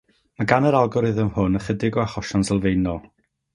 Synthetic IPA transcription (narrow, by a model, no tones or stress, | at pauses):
maɡanəɾalˠɡɔɾɨðəmhʊnəχədɪɡɔaχɔʃɔnsəlˠvejnɔlˠ